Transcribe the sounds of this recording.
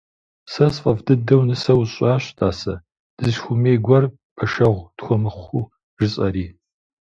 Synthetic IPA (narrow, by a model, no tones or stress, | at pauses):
sɐsfʼɐvdɨdɐwnɨsɐwɕʼɑːɕtʰaːsɐ | d̥ɨzxʷʊmeːɡʷɐr | pʰɐʃɐʁʷd̥xʷɔmɨχʷuː | ʒɨt͡sʼɐɾiː